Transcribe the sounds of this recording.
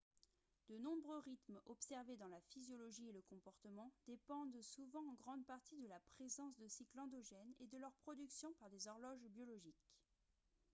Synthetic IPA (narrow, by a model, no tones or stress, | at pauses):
d̪ənɔ̃bʁøʁit̪mɔpsɛʁved̪ɑ̃lafizjɔlɔʒieləkɔ̃pɔʁt̪əmɑ̃d̪̥epɑ̃d̪suvɑ̃ɑ̃ɡʁɑ̃d̪paʁt̪id̪əlapχezɑ̃sd̪əsiklɑ̃d̪ɔʒɛned̪əlœʁpχɔd̪yksjɔ̃paʁd̪ezɔʁlɔʒbjɔlɔʒik